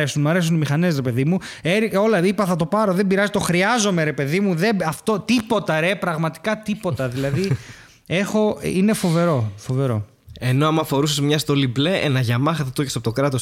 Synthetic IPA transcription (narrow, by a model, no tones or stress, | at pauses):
esunmɐɾe̞s̬unimixɐnes̬ɾepe̞ðimueɾio̞lɐipɐθɐt̪o̞pɐɾo̞ðe̞biɾɐzit̪o̞xɾiɐzo̞me̞ɾe̞pe̞ðimuðe̞ɐft̪o̞t̪ipo̞t̪ɐɾe̞pɾɐɣmɐt̪i̥kɐt̪ipo̞t̪ɐðilɐði | e̞xo̞ine̞fo̞ve̞ɾo̞fo̞ve̞ɾo̞̰ | e̞no̞ɐmuɐfo̞ɾusezmɲɐst̪o̞lible̞enɐʝɐmɐxɐθɐt̪oçesɐpot̪okɾɐt̪o̞s